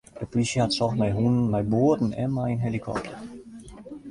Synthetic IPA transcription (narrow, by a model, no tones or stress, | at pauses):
dəpliʃihatsɔxmajɦunənmajboːdn̩ɛ̰mːainɦɛlikʰɔ̰p̚tʰə